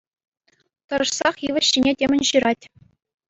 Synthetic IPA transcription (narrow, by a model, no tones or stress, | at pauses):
t̪ɤ̆ɾɤ̆ʂsɑχjiʋʲɘ̆ɕːinʲetʲemʲɘ̆nʲɕɯɾɑtʲ